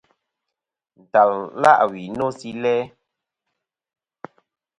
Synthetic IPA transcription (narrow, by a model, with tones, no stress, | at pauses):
n̩˨ta˨lla̰˦ʔwi˨no˦si˦lɛ˦